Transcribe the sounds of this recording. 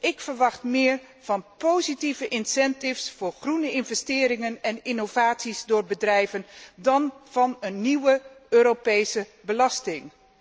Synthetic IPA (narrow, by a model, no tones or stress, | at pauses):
ʔɪkfəɹʋɑχtmɪːr | v̥ɑnpowzitivəʔɪnsɛntɪfsfʊːɹχrunəɪnvɛstɪːɾɪŋənɛnɪnovaːtsizdʊːɹbədrɛjvəndɑnv̥ɑnənːiwəøːɾopejsəbəlɑstɪŋ